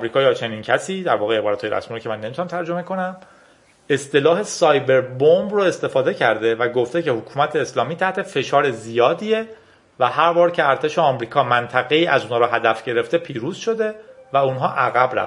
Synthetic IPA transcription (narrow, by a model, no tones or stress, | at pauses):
ɒmɾiːkɒːjɒːt͡ʃʰe̞niːncʰæsiːd̪æɾvɒːɣee̞bɒːɾæt̪hɒjɾʔæ̰smiːɾocʰeænːemit̪ʰunæmt̪ʰæɾd͡ʒo̞me̞ko̞næm | e̞st̪e̞lɒːhe̞sɒːjbe̞ɾbombroe̞st̪e̞fɒːd̪e̞cʰæɾd̪e̞væɡoft̪ecʰe̞hokʰuːmæt̪ʰeːslɒːmiːt̪ʰæht̪ʰe̞fe̞ʃɒːɾe̞zijɒːd̪ie̞ | væhæɾvɒːɾcʰeæɾt̪ʰe̞ʃe̞ɒːmɾiːkʰɒːmænt̪ʰæɣe̞iːʔæzunhɒːɾɒːɦæd̪æfɟe̞ɾe̞ft̪e̞pʰiːɾuːz̥ʃo̞d̪e̞væunɦɒːʔæɣæbɾæ̰f